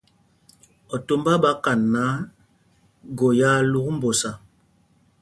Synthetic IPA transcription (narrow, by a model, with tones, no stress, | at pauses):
ɔ˨to˦mba˦ba˦ka˨nːa˦ | ɡo˨ja˦lu˦km̩˦bo˨sa˨